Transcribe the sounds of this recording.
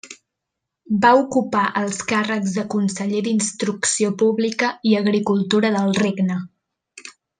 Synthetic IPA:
baukupaʔəlˠskarəɡzðəkunsəʎed̪inst̪ɾuksiopuβlikəiəɣɾikulˠt̪uɾəðəlˠreɡnə

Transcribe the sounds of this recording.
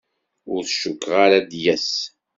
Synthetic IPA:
ʊɾθʃʊkːʁaɾad̪jæs

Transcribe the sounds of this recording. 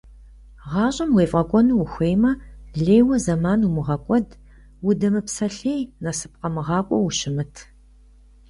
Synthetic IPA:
ʁɑːɕʼɐmweːfʼɐkʷʼɔnuwuxʷeːjmɐɮeːjwɐzɐmaːnumɨʁɐkʷʼɔd | wʊdɐmɨpsɐɬeːjnɐsɨp̚qɐmɨʁɑːkʷʼɔ̰wuʃɪmɨtʰ

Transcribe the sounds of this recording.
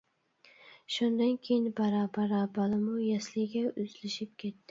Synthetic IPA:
ʃʊnd̪ankʲʰejɪnbaɾabaɾabalɪmʊjaslɪɡʲaʊzlɪʃɪp̚kʲʰe̞t̪ːɪ

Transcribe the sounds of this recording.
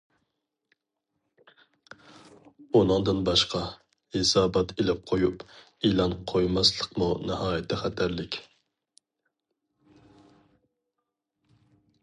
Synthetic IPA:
unɨŋd̪ɨnbɑʃqɑ | hesɑːbɑt̪ʰelɪp̚qʰojup | ilˠɑnqʰojmɑslˠəqmunɪhɑːjɛt̪ʰːɛχɛt̪ʰæɾlɪkʲ

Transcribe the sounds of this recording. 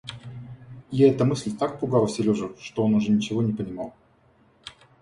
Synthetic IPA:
jaɛt̪əmɨsʲlʲt̪ak̚pʊɡalˠsʲɪlʲoʐəfʂt̪oonʊʐɛnʲɪt͡ɕɪvo̞nʲɪpənʲɪmɑlˠ

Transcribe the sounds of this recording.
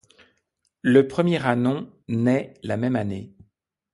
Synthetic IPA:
ləpχəmjɛʁanɔ̃ | nɛlamɛmane

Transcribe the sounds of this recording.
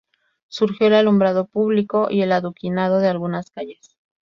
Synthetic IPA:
suɾxjo̞elalumbɾað̞o̞puβliko̞ʔie̞laðukinað̞o̞ðealɣunaskaʝes

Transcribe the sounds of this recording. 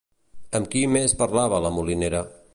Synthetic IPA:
əmkimespəɾlaβələmulineɾə

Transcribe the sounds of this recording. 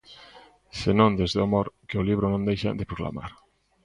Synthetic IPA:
senõnd̪ezðamoɾkɪoliβ̞ɾonõnd̪ejʃa̰d̪epɾokla̰ma̰ɾ

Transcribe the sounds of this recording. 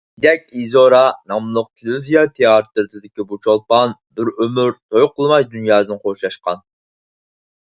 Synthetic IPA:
d̪ɛkʲizoɾɑnɑmlˠʊq̚t̪ʰɪluzijɑt̪ʰeɑɾɨt̪ɨɾɨt̪ʰɨd̪ɪkʲibut͡ʃʰolˠpɑnbɪɾømyɾt̪ʰojʊqʰːəlˠmɑjd̪ynjɑːd̪ɨnqʰoʃlˠɑʃqɑn

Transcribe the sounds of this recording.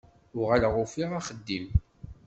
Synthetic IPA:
ʊʁælʁʊfiʁaχəd̪ːim

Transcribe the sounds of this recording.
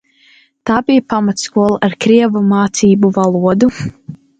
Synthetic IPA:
t̪aːbijpamat̪skuɔlˠaɾkɾiɛvumaːt̪siːbuvalˠuɔd̪u

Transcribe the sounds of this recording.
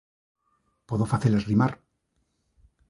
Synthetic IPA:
poðofaθelezrimaɾ

